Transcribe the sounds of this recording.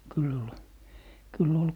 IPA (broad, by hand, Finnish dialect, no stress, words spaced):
kyl ol kylː ol